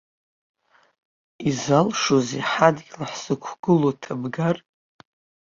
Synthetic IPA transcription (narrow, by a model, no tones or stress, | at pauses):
izalʂoziħadɡʲlaħsɨkʷʰɡ̥ɨlotʰabɡar